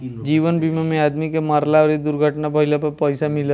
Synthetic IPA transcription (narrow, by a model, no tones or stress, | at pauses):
d͡ʒiːʋənbimamẽaːd̪mikemaɾlaɔːɾid̪ʊɾɡʱəʈnapɐɦɪlapɐpəjsamɪl